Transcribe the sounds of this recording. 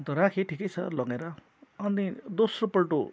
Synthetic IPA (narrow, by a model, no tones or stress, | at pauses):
t̪ʌɾãkʰeʈʰikʌjt͡sʰʌ̰lʌɡeɾʌ | ʌnid̪osropʌlʈo